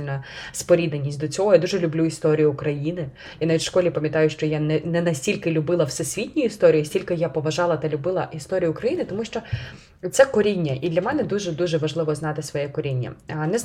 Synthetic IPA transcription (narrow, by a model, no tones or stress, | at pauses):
lʲnɐspɔɾʲid̪nɐnʲːisʲt̪̚ʲd̪ɔt͡sʲɔɦɔjad̪uʒɛlʲʊblʲuist̪ɔɾʲijʊːkɾɐjinɪ | janaʋʲitʲʃkɔlʲipɐmʲjɐt̪ɑjʊʃt͡ʃɔjanɛnɛnɐsʲtʲilʲkɪlʲʊbɪlˠɐwsɛsʲʋʲitʲnʲʊjʊist̪ɔɾʲijisʲtʲilʲkɪjapɔʋɐʒɑlˠɐt̪ɐlʲʊbɪlˠɐist̪ɔɾʲijʊːkɾɐjinɪt̪ɔmuʃt͡ʃɔ | t̪sɛkɔɾʲinʲːɐʔid̪lʲɐmɛnɛd̪uʒɛd̪uʒɛʋɐʒlˠɪʋɔznɑt̪ɪsʋɔjɛkɔɾʲinʲːɐ̰nɛ